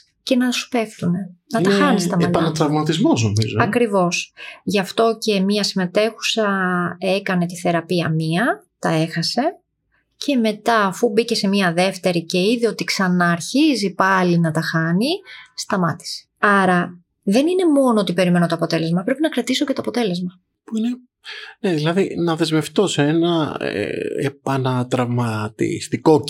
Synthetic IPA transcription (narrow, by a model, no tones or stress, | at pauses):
ce̞nɐsu̥pe̞fθune̞nɐt̪ɐxɐnistt̪ɐmeɐt̪pɐnɐt̪ɾɐvmɐt̪izmo̞znomḭzoɐkɾivo̞sʝɐft̪o̞ce̞miɐsime̞t̪e̞xu̥sɐe̞kɐne̞t̪iθe̞ɾɐpiɐmiɐt̪ɐe̞xɐse̞ | cʰe̞me̞t̪ɐːfubice̞se̞miɐðe̞ft̪e̞ɾice̞iðio̞t̪iksɐnɐːɾçizipɐlinɐt̪ɐxɐnist̪ɐmɐt̪i̥se̥ɐɾɐ | ðe̞nine̞mo̞noot̪ipe̞ɾime̞not̪oɐpo̞t̪e̞le̞zmɐpɾe̞pinɐkɾɐt̪isocet̪o̞ːpo̞t̪e̞le̞zmɐ | puine | ne̞ðilɐðinɐðe̞zme̞ft̪o̞seenɐ | ḛpɐnɐt̪ɾɐvmɐt̪ḭst̪iko̞